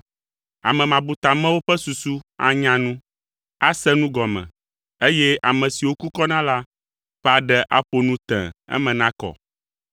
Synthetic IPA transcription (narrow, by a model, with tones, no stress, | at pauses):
a̰˨mɛ̃˨mã˨bu˨t̪a˨mɛ̃˦wo˦ɸɛ˦su˨su˦a̰˦ɲã˦nũ˦ | a˦sɛ˦nũ˦ɡɔ˨mɛ̰̃˨ | e˦jɛ˦ʔa˨mɛ̃˨si˨wo˦ku˦kɔ˦nã˦la˦ | ɸɛ˦a˨ɖɛ˦ʔa˦ɸo˨nũ˦t̪ɛ̰̃˨ɛ̰˦mɛ̃˨nã˦kɔ̰˨